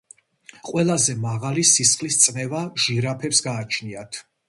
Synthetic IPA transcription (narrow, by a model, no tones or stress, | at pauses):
qʼwɛlˠazɛmaʁalisisχʼlist̪sʼmɛvaʒ̥iɾapʰɛpsɡaːt͡ʃʰniat̪ʰ